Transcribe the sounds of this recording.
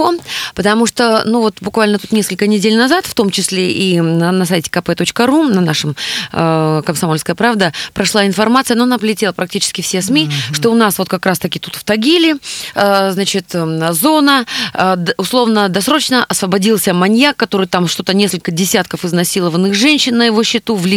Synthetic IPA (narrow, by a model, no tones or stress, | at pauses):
opət̪ɐmuʂt̪onuvo̞t̪bʊkvalʲnət̪ut̪nʲeskəlʲkənʲɪdʲelʲnɐzat̪ft̪o̞mt͡ɕɪsʲlʲeʔinənɐs̬ajtʲɪ̥kɐpɛt̪o̞t͡ɕkəɾunɐnaʂɨm | kəmsɐmo̞lʲskəjəpɾavd̪əpɾɐʂlˠaɪnfɐrmat̪sɨjənoɐnapəlʲɪtʲeəpɾɐk̚tʲit͡ɕɪ̥skʲɪfsʲesmʲiʂt̪o̞ʊnasvo̞t̪̚kɐkɾast̪ɐkʲɪt̪ut̪ft̪ɐɡʲilʲɪəznat͡ɕɪt̪zo̞nə | ʊslˠo̞vnəd̪ɐsɾo̞t͡ɕnəʔɐsvəbɐdʲilˠsʲəmɐnʲjakːɐt̪o̞ɾɨjt̪amʂt̪o̞t̪ənʲeskəlʲkədʲɪsʲat̪̚kəfɨznɐsʲilˠəvənːɨxʐɛnʲɕːɪnːəjɪvo̞ɕːɪt̪uvlʲɪ